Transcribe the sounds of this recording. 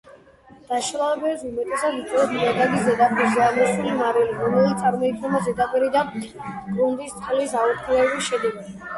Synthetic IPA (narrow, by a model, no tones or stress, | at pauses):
d̪̥aʃlˠalɛbɛsumɛt̪ʼɛsad̪it̪sʼɛɛt̪sdad̪aɡiszɛd̪apʼiɾzɛamɔʃulimaɾiliɾɔmɛlit̪sʼaɾmɔit̪ʰnɛmazɛd̪apʼiɾid̪a | ɡʼɾund̪ist̪sʼqʼlisaɔɾt̪χʰlɛbiʃɛd̪ɛɡi